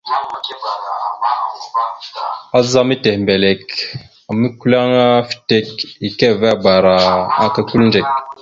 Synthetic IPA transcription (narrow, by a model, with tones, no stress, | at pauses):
a˦za˦mi˦te˨hmbe˨le˨k | a˨mi˦ku˦la˦ŋa˦fi̥˨te˦ki˨ke˦˨vba˨ɾa˨a˦ka˨ku˦lnd͡ʒe˨k̚